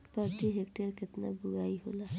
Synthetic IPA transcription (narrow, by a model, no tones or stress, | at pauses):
patiɦekʈaɹket̪nabuɹajɦola